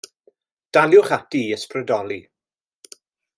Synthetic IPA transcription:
d̥aljʊχatiəsprədɔlˠi

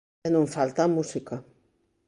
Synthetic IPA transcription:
enũɱfalt̪amusika

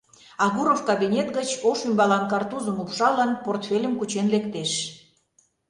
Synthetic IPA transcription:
ɑɣuɾofkɑbʲinʲet̪ɡət͡ɕoʃymbɑlɑnkɑrt̪uzəmupʃɑlɑnport̪fʲelʲəmkut͡ɕenlekt̪eʃ

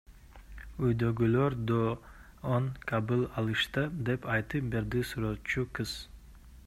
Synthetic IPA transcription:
ujd̪øɡyløɾd̪o | onkʰabɯlˠɑlˠɯʃt̪ɯd̪epɑjt̪ɯp̚beɾd̪isuɾot͡ʃukɨz̥

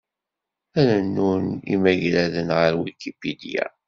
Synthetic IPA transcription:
æɾænːunḭmæʝɾæðənʁəɾwilkipid̪ijæ̰

